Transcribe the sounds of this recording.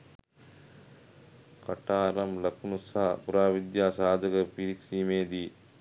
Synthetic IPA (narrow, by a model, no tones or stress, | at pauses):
kɐʈaːɾɐmlɐknusapuɾaːʋid̪jaːsaːd̪ʱɐɡɐpiɾiksiːmeːd̪i